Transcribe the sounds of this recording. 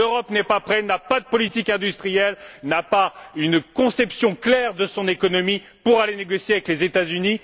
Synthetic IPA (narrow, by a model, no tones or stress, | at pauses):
øʁɔpnɛpapχɛnapad̪əpɔlit̪ikɛ̃d̪yst̪χijɛlnapaynkɔ̃sɛpsjɔ̃klɛʁd̪əsɔ̃nekɔnɔmi | puʁaleneɡɔsjeavɛklezet̪azyni